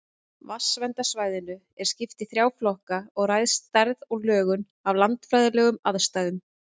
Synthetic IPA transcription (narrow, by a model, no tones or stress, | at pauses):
vasvɛnt̪asvaːjðɪnʏ | ɛɾ̥scɪft̪ɪθɾjaːwflɔhkaɔɣrajðst̪aɾðɔɣlœːɣʏn | avlant̪fɾajðɪlɛːɣʏmaðst̪ajðʏm